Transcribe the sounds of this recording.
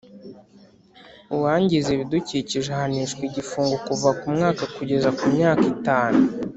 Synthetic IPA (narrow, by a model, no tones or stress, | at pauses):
uwaːɲɟizeβiduciciʒehaniʃkwiɟifuːŋɡokuvakumŋaːkakuɟe̞zakumɲaːkitaːnu